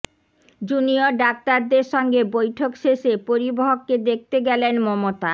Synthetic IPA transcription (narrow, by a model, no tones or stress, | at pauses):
d͡ʑunioɖak̚t̪aɾd̪eɾʃɔŋɡebojʈʰokʃeʃepoɾiboɦokːed̪ek̚ʰt̪eɡɛlenmɔmot̪a